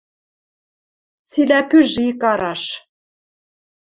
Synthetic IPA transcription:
silæpyʒiikɑɾɑʃ

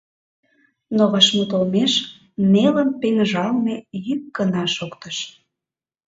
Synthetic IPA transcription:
noɣɑʃmut̪olmeʃ | neləmpeŋʒɑlmejykːənɑʃokt̪əʃ

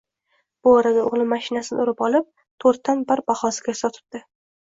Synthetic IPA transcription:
b̥ʊɒɾad̪aʊʁlˠɪmaʃɪnasɪnɪ̰ʊɾɪpɒlˠɪp̚ | t̪ʰoɾt̪ːanbaɾbaχɒsɪ̥ɡʲasɒt̪ʰɪ̥b̚d̪̥ɪ

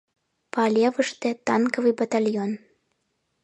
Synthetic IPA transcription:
palʲevəʃt̪ĕt̪ɑnkəvɨjbat̪alʲjon

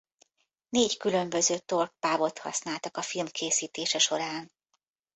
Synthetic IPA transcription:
neːckylø̞mbø̞zøːt̪o̞rk̚paːbo̞t̪hɒ̰snaːlt̪ɒkɒfilmkʰeːsiːt̪eːʃɛʃo̞ɾaːn

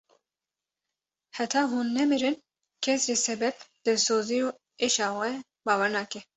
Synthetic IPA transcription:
hɛt̪ʰɑːɦuːnːɛmiɾɨn | kʰɛsɾeːsɛbɛbd̪ɨsoːzijoː | eʃɑːxɛ | bɑːwɛɾnɑːkɛ

